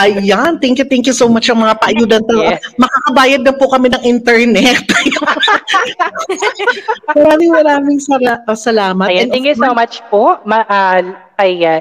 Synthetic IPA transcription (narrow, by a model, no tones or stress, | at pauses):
ʔɐjant̪ɪŋkjʊt̪ɛŋkjusowmat͡ʃʔɐŋmɐŋapɐʔɐjuːd̪ɐnt̪ɐɐmɐkakɐbaːjɐd̪̚nɐpʊkɐmɪnɐŋʔɪnt̪ɛɹnɛt̪j | mmɐɾaːmɪŋmɐɾaːmɪŋsɐɾasɐlaːmɐtjɛnɛŋkjusomat͡ʃpoʔmɐʔa | ɐja